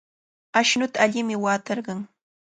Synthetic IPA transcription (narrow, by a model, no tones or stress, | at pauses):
aʃnʊt̪aːʎɪmɪwaːt̪ɑɾɢɑŋ